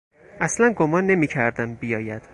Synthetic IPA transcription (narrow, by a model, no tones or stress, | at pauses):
ʔæslænɡo̞mɒːnːe̞miːcʰæɾd̪æmbijɒːjæd̪̥